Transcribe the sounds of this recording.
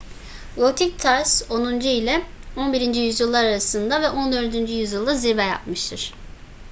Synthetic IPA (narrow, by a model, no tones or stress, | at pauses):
ɡot̪ʰic̚t̪ʰaɾso̞nund͡ʒuilʲɛo̞nbiɾind͡ʒijyzjɯlˠːaɾaɾasɯnd̪avɛʔo̞nd̪ø̞ɾd̪ynd͡ʒyjyzjɯlˠd̪aziɾbɛja̰pmɯʃt̪ʰɯɾ̥